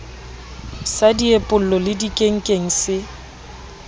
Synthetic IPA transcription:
sadiepʼʊl̩lɔlɪdikʼeŋ̩kʼeŋ̩sɪ

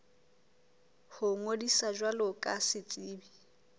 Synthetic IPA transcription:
hʊŋodisad͡ʒwalɔkʼasɪt͡sʼiːbi

